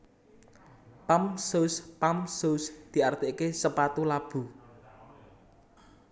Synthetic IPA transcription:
pamsospamsosd̪̥i̤art̪eʔkesəpat̪ulab̥ṳ

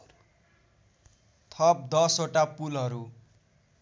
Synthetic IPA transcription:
t̪ʰʌp̚d̪ʌsoʈapulʌɾu

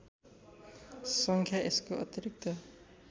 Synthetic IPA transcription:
sʌŋkʰjaʔeskoʔʌ̰t̪ʌɾik̚t̪ʌ

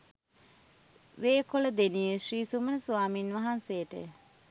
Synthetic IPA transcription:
ʋeːkoləd̪enijəʃriːsumənəsuʋaːminʋaɦansejəʈə̰

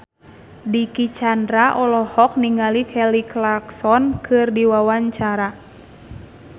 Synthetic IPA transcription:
dikit͡ʃandɾaʔɔlɔhɔk̚niŋalikʰɛliklarksɔnkʰɨrdiwawaɲt͡ʃaɾa

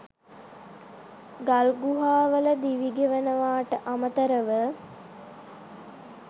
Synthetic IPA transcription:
ɡalɡuɦaːʋələd̪iʋiɡeʋənəʋaːʈəʔamət̪əɾəʋə

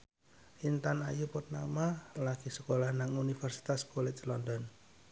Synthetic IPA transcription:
ʔint̪anajupɔt̪̚namalaɡ̥isəkolahnaŋunifərsi̥t̪askolɛslɔndɔn

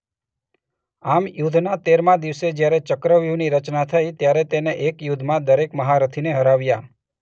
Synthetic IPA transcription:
amjud̪ʱnat̪eɾmãd̪iʋsed͡ʒjaɾet͡ʃəkɾəʋjuniɾət͡ʃnat̪ʰəit̪jaɾet̪eneʔekjud̪ʱmãd̪əɾekməɦaɾət̪ʰineɦəɾaʋja

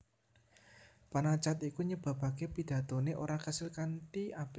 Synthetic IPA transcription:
panat͡ʃat̪ikuɲəb̥a̤ba̤kepid̪̥ä̤t̪o̤neʔo̰ɾakasɪlkant̪iab̥e

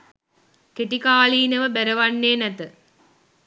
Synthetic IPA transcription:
keʈikaːliːnəʋəbæɾəʋanːeːnæt̪ə

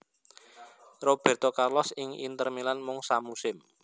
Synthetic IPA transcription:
rob̥ɛ̤rt̪ɔkarlɔsɪŋḭnt̪ərmilanmʊŋsamusɪm

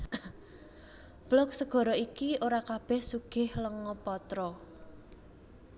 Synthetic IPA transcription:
b̥lɔk̚səɡ̥ɔ̤ɾɔikioɾakab̥ɛhsuɡ̥ɪhləŋɔpɔt̪ɾɔ

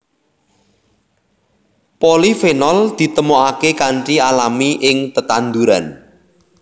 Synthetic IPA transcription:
polifenɔld̪̥i̤t̪əmoakekaɳʈialamiʔɪŋt̪ət̪and̪uɾa̰n

